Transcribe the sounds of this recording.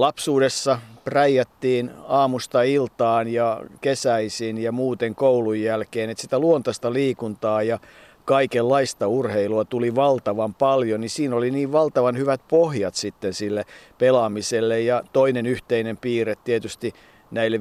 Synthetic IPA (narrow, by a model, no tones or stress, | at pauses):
lɑpsuːdesːɑpræjːæt̪ːiːnɑːmust̪ɑilt̪ɑːnjɑkesæisinjɑmuːt̪eŋkoulujːælkeːnet̪sit̪æluont̪ɑst̪ɑliːkunt̪ɑːjɑ | kɑikelːɑist̪ɑurheiluɑt̪uliʋɑlt̪ɑʋɑmpɑljonisiːnoliniːʋʋɑlt̪ɑʋɑnhyʋæt̪̚pohjɑt̪sit̪ːensilːepelɑmiselːejjɑt̪oinenyht̪einempiːret̪t̪ːiet̪yst̪i | næilːe